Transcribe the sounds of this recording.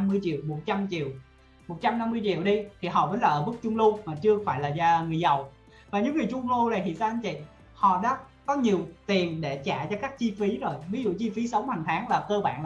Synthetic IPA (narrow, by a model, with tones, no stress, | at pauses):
mːɨ˧əjt͡ɕḭ˧˨əwmo˨˩t̚t͡ɕa˧mt͡ɕi˨əw | mo˨˩t̚t͡ɕa˧mna˧mːɨ˧əjt͡ɕḭ˧˨əwɗi˧t̪ʰi˨˩ɦɔ̰˧˨vəː˨˦nlaː˨˩ʔəː˧˦ɓɨ˦˥k̚t͡ɕʊ˧ŋ͡mlu˧maː˨˩t͡ɕɨ˧əkfaː˧˩jlaː˨˩zaː˨˩ŋɨ˨˩əjzə˨˩w | vaː˨˩ɲɨ̰˧˥ŋɨ˨˩jt͡ɕʊ˧ŋ͡mlu˧na˨˩jt̪ʰḭ˧˨zaː˧ʔn̟t͡ɕḭ˧˨ | hɔ̰˧˨ɗa̰ː˧˦˥ | kɔ˨˦ɲi˨˩əwt̪i˨˩ənɗe˧˩t͡ɕa̰ː˧˩˨t͡ɕɔ˧kaː˦˥k̚t͡ɕi˧fi˨˦zo˨˩jvi˨˦zṵ˧˨t͡ɕi˧fi˨˦sə˨˦wŋ͡mha˨˩ŋ̟t̪ʰaː˨˦ŋlaː˨˩kəː˧ɓa̰ː˧˨n